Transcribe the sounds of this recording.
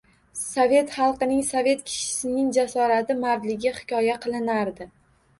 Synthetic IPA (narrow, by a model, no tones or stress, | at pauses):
sove̞t̪χɑlˠqɨnɪŋsovʲe̞t̪kʲʰɪ̥ʃɪ̥sɪnɪŋd͡ʒasɒɾat̪ʰɪmaɾd̪lɪɡʲɪhɪ̥kʲʰɒjaqʰɨlˠɪnaɾd̪ɪ